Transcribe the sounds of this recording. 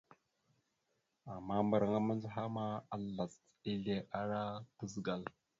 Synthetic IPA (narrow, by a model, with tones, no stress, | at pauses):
a˨mːa˦mba˨ɾa˨ŋa˦ma˦nzɦa˦ma˦a˨la˨s | i˦ɮe˦ʔa˦ɾa˦tə˦zɡa˨l